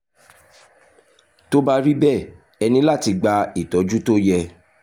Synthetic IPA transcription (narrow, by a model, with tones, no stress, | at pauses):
to˦ba˧ɾi˦bɛ˦˨ | ɛ˧nĩ˧la˦˨ti˨˧ɡ͡ba˧i˦˨tɔ˨˦d͡ʒu˦to˦jɛ˧